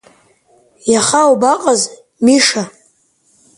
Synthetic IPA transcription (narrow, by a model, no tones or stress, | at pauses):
jaχawbaqʼaz | miʂa